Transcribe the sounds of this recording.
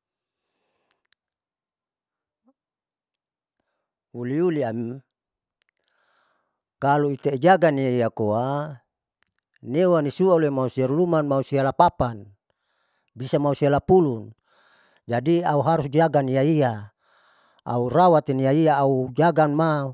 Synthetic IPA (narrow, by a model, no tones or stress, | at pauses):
uliuliam | kaluit̪eid͡ʒaɡaniaijakoa | newanisualemausiaɾulumanmausialapapan | bisamausialapulun | d͡ʒadiauɦaɾusd͡ʒaɡanijaia | a̰uɾawat̪inijaiaːud͡ʒaɡanma